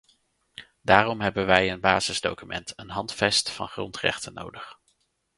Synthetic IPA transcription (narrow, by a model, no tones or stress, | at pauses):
daːrɔmɦɛbənʋɛjənbaːzəzdo̰wkymʔɛ̰ntʰənɦɑntfɛstfɑ̰nχrɔntrɛ̰χtənowdəχ